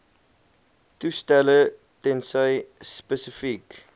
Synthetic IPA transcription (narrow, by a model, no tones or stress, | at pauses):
tustælə | tɛnsəjspəsəfik